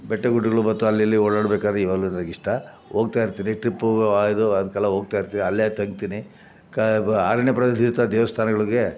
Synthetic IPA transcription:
bɛʈːeɡuʈːiɡɐɭubɐt̪ːuɐlːɐlːioːɽaːɽbeːkaːd̪ɾeiʋɐɡlunɐɐɡiʂʈɐ | oːɡt̪aːjiɾt̪iːniʈɾipːaːid̪uɐd̪ɐkɐlːɐɦoːɡ̚t̪aːjiɾt̪iːniɐlːit̪ɐŋɡt̪iːni | ka̰ːɾɐɳjɐpɾɐd̪ɐd̪ʱiɾt̪aːd̪ɛːʋɐst̪ʰaːnɐɡɐɭiɡe̞

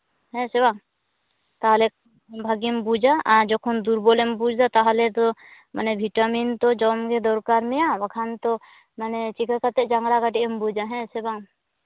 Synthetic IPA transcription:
hɛ̃sɛbaŋ | t̪aɦalɛk | bʱaɡimbud͡ʒaʔad͡ʒɔkʰɔnd̪uɾbɔlɛmbud͡ʒd̪at̪aɦalɛt̪ɔ | manɛbʱiʈamint̪ɔd͡ʒɔmɡɛd̪ɔɾkaɾmɛjawakʰant̪ɔ | manɛt͡ʃikʰakat̪ɛʔd͡ʒaŋɾaɡaʈiʔɔmbud͡ʒaɦɛ̃sɛbaŋ

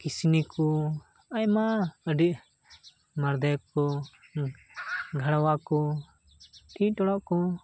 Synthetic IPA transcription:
kisinikʰɔ | ajmaəɖiʔ | maɾd̪ɛkkɔ | ɡʱaɽawakɔ | ʈʰiʈɔɽɔʔkɔ

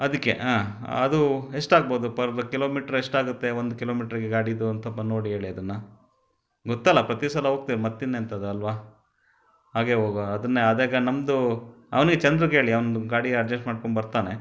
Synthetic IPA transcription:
ɐd̪ikːe̞̰ʔaːɐ̰d̪uɦe̞ʂʈaːɡ̚boːd̪upɐɾɐkilo̞ːmiːʈɐɾeʂʈaːɡut̪ːe̞ond̪ukiloːmiːʈɐɾiɡeɡaːɽid̪uɐnt̪ʰɐpːɐno̞ːɽiɦeːɭiɐd̪ɐnːɐ | ɡɔt̪ːɐlːɐpɾɐt̪isɐlɐɦo̞ːɡ̚t̪iɾmɐt̪ːinːeɐnt̪ɐːd̪uɐlʋaː | ɦaːɡe̞ɦoːɡoɐd̪ɐnːeɐd̪eːɡɐnɐmd̪u | ɐ̰ʋɐniɡet͡ʃɐnd̪ɾɐɡɦe̞ːɭiɐʋɐnɡaːɽiɐɾd͡ʒɐsʈmaːɖ̚koɳbɐɾt̪aːne̞

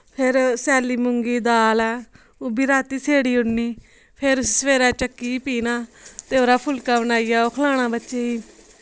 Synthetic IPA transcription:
pʰɪɾsɛːliːmʊŋɡiːd̪aːlɛː | ʊbiːɾaːt̪iːsʰeːɽiːʊɽniː | pʰɪɾʊssʋeːɾaːt͡ʃəkːiːpiːnaːt̪eːoːɾaːpʰʊlkaːbənaːiːjaːoːkʰəlaːɽ̃ãːbətːt͡ʃeːiː

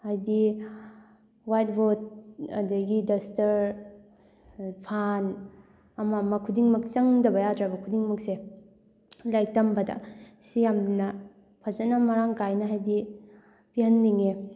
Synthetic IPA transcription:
hajdi | wajt̚bot̚ɐ̰daɡidɐstɐɾ | pʰan | ɐmɐmɐkʰudiŋmɐk̚t͡ʃɐŋdɐbɐjadɾabɐkʰudiŋmɐkse | lajk̚tɐmbɐdɐ̰sijamnɐ | pʰazɐnamaɾaŋkajnɐɦajdi | piɦɐnliŋe

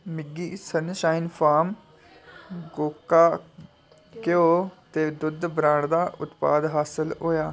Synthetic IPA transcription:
mɪɡiːsənʃaːinpʰaːm | ɡoːkːaː | keoːt̪eːd̪ʊd̪bɾãːɽd̪aːʔʊt̪paːd̪ɦaːsəlɦoːjaː

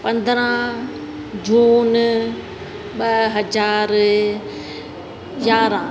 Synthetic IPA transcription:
pɐ̃nd̪ɾã | d͡ʒoːn | ɓɐɦɐd͡ʒaːɾ | jaːɾã

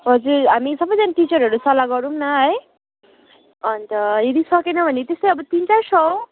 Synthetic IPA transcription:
ɦʌd͡zuɾɦamisʌbʌjd͡zanaʈit͡ʃʌɾɦʌɾusʌlaɡʌɾumnʌɦʌj | ʌnt̪ʌed̪isʌkenʌbʱʌnit̪est̪ojʌbʌt̪int͡sasʰʌw

